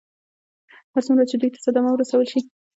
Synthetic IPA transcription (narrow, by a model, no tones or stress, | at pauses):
haɾt͡sumɾazt͡ʃed̪ujt̪ḁsad̪amawəɾasawəlʃi